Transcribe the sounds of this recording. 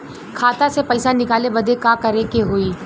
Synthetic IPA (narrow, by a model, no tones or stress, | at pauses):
kʰaːt̪asepɐɪsanɪkaːlebɐd̪ekakɐɾekeɦoiː